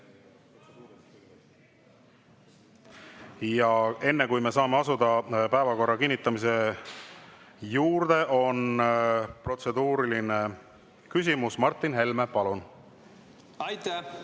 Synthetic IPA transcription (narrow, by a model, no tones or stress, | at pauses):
jɑe̞nːekujme̞sɑːme̞ɑsud̪̥ɑpæe̞vɑko̞rːɑkinːit̪ːˑɑmise̞ | juːɾd̪̥e̞ʔo̞n | pro̞t̪se̞d̪uːɾiline | kys̬ʲimusmɑrt̪ˑːinɦe̞lme̞pɑlun | jt̪æ